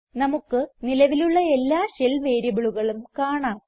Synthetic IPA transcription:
nɐmukːɨnilɐʋiluɭːɐe̞lːaːɕelʋeːɾibɐɭuɣɐɭumkaːɳaːm

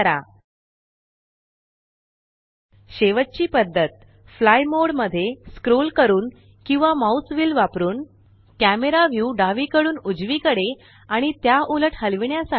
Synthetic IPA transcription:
ɾa̰ | ɕeʋət̪̚t͡ɕiːpəd̪ʱːət̪̚ | flajmoɽməd̪ʱːjeskɾolkəɾuːn | kĩw̃ʋamausʋiːlʋapɾuːn | kæmeɾaʋjuːɖaʋikəɽuːnud͡zʋiːkəɽe | aɽ̃it̪jaʔuləʈhəlʋiɳjasa

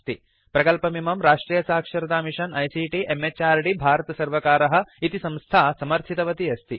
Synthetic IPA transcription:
t̪i | pɾɐkɐlpɐmimɐmɾaːʂʈɾiːjɐsaːkʂɐɾɐd̪aːmiʂɐnɐjsiːʈiʔemet͡ʃaːɾɖibʱaːɾɐt̪ɐsɐɾʋɐkaːɾɐɦɐ̆it̪isɐ̃mst̪ʰaːsɐmɐɾt̪ʰit̪ɐʋɐt̪iɐst̪ʰi

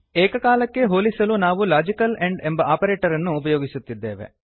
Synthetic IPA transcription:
eːkɐkaːlɐkːe̞ɦoːlisɐlunaːʋulaːd͡ʒikɐleɳɖembɐaːpɐɾeːʈɐɾɐnːuːpɐjo̞ːɡisut̪ːid̪ːeːʋḛ

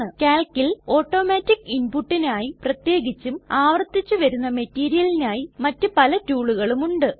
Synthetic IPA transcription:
ɨkaːlkːilo̞ːʈːo̞ːmaːtːikːinpuʈːinaːjiprɐt̪je̞ːɡit͡ɕːumaːʋɐrt̪ːit͡ɕːuʋɐɾunːɐmɐtːiːɾijɐlinaːjimɐtːɨpɐlɐtuːɭuɣɐɭumuɳɖɨ

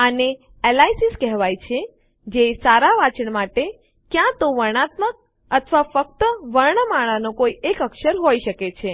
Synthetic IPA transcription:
əne | elaisiskɛɦʋajt͡ʃʰe | d͡ʒesaɾaʋat͡ʃəɳmaʈe | kjãt̪oʋəɽ̃at̪mək̚ | ət̪ʰʋafək̚t̪əʋəɾɳəmaɭ̃anokoiekəkʃəɾɦoiʃəket͡ʃʰe

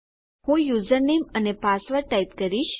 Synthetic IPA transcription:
hũjuzəɾnemənepasʋəɾʈait̪kəɾiʃ

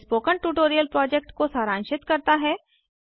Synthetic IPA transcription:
spoːkəɳʈuːʈoːɾijəlpɾɔːd͡ʒek̚ʈkosaːɾãːnʃɪt̪kɐɾt̪aɦɛ

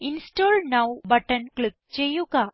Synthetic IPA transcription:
insʈoːlnawbɐʈənklik̚t͡ʃejuɡa

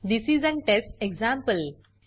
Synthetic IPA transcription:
d̪isizə̃nʈesʈeɡzãmpəl

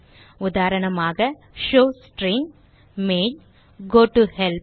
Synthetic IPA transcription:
ʊd̪aːɾɐɳɐmaːɣɐ | ʃoːsʈɾɪ̃ŋɡ | meːn | ɡoːʈuhɛlp

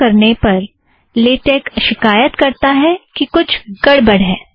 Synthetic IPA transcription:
ɐɾnepɐɾ | leːʈeːkʃɪkaːjət̪kɐɾt̪aɦɛkikʊt͡ʃʰkɐɽbɐɽɦɛː

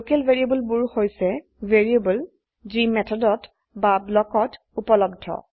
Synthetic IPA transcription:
okɛlveɹiebɔlbuɹhojsɛ | veɹiebɔl | zimɛtʰɔdɔt | bablɔkɔt | upɔlɔb̚dʱɔ̰

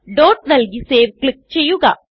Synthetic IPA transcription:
ɖoːʈ̚nɐlɡiseːʋklɪk̚t͡ʃɛjːuɣa

